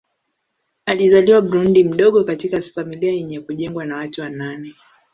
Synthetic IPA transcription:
alizaliwaɓɾundim̩ɗɔɠɔkatikafamiliajɛɲɛkuʄɛŋɡwanawatuwananɛ

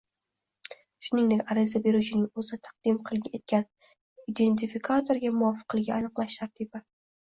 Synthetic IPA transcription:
ʃʊnɪŋd̪ekʲaɾɪzabe̞ɾut͡ʃʰɪnɪŋɵzɪt̪ʰɑ̥q̚d̪ɪmqʰɨlˠʲet̪̚kʲan | id̪e̞nt̪ʰifikʰat̪ʰo̞ɾɡʲamʊɒfɨ̥qɨlˠɪɡʲaanɨqlˠaʃt̪ʰaɾt̪ʰiba

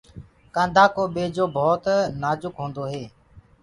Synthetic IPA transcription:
kãːnd̪ʱaːkoːɓeːd͡ʒoːbʱoːt̪naːd͡ʒʊkɦõːnd̪oːɦeː

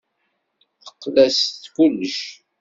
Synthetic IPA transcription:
θə̥qːlæsθkulːəʃ

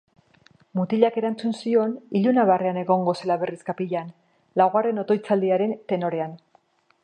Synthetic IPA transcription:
mut̪iʎake̞ɾant͡sunsio̞niʎunaβ̞areane̞ɣo̞ŋɡo̞se̞laβe̞riskapiʎan | lawɣare̞no̞t̪o̞jt͡sald̪iaɾe̞nt̪e̞no̞ɾe̞an

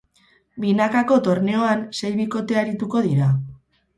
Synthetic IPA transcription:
binakako̞t̪o̞ɾne̞o̞anse̞jβiko̞t̪e̞aɾit̪uko̞ð̞iɾa

